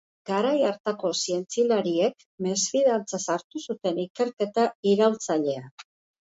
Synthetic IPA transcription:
ɡ̥aɾajaɾt̪ako̞sie̞nt͡silaɾie̞k | mesfiðant͡sasaɾt̪usut̪e̞nike̞ɾke̞t̪aiɾawlt͡saʎe̞a

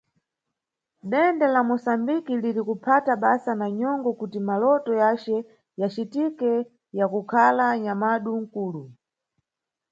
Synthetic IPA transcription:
ɗɛndɛlamusambikiliɾikupʰataɓasanaɲɔŋɡɔkutimalɔtɔjat͡ʃɛ | jat͡ʃitikɛ | jakukʰalaɲamaɗuŋ̩kuːlu

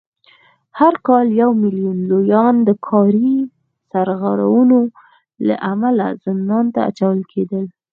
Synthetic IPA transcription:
haɾkɑljawmilijunlojɑnd̪əkʰɑɾi | saɾɣaɾa̰wuno | la̰ʔamala̰z̥ɪnd̪ɑnt̪aa̰t͡ʃawəlkʰed̪əl

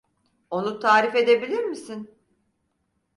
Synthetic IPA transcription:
o̞nut̪ʰaːɾife̞d̪e̞bilʲiɾmisin

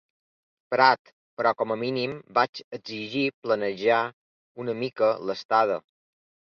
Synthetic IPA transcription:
pɾat̪ | pəɾɔkɔməminimbat͡ʃəɡziʒiplənəʒa | unəmikələst̪að̞ə̰

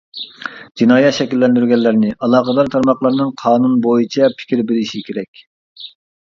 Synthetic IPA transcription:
d͡ʒinɑːjɛt̪ʃɛkʲilːɛnd̪yɾɡʲɛlːɪɾnɪʔɑlˠɑːqəd̪ɑɾt̪ʰɑɾmɑχlˠɑɾnɨŋqʰɑːnunbojit͡ʃʰɛpʰɪ̥kʲiɾbeɾɪʃikʲʰeɾɛkʲ

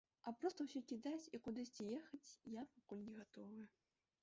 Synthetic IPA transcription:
apɾɔst̪əwsʲɔkʲid̪at͡sʲikud̪ɨsʲt͡sʲijexɐt͡sʲjapakulʲnʲɛɣat̪ɔvɨ

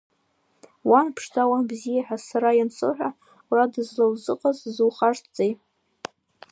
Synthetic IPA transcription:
wanpʰʂtawabzijaħᶣasaɾajansʰɨ̰ħʷᶣa | wradɨzlawzɨqʼazzɨwχartʰt͡sʼejʼ

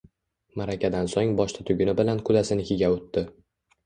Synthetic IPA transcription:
maɾakʲad̪ansoŋbɒʃt̪ʰat̪ʰʊɡʲɪnɪbɪlanqʰʊd̪asɪnɪkʲʰeɡʲaot̪ːɪ

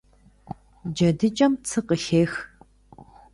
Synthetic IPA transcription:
d͡ʒɐdɨt͡ʃʼɐmt͡sʰɨqəɬeːx

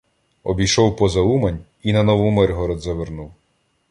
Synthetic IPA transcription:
ɔbʲijʃɔwpɔzɐumɐnʲ | inɐnɔʋumɛrɦɔɾɔd̪zɐʋernuw

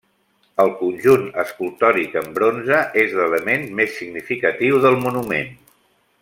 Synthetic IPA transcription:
əlˠkunʲʒunəskulˠt̪ɔɾikəmbɾonzəʔezlələmenmesːiɡnifikət̪iwðəlˠmunumḛn

